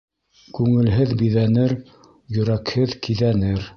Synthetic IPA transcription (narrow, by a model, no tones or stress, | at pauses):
kʉŋɘ̆lɦɘðbiðænɘɾ | jɵ̆ɾækhɘðkiðænɘɾ